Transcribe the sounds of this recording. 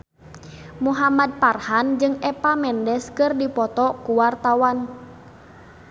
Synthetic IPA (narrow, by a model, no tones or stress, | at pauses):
muɦamad̚parhand͡ʒɨŋɛpamɛndɛskɨrdipɔt̪ɔkuwart̪awan